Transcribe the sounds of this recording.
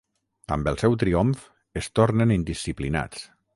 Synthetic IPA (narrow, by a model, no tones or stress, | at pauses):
a̰mbəlˠsɛwt̪ɾiomf | est̪oɾnenind̪isiplina̰t͡s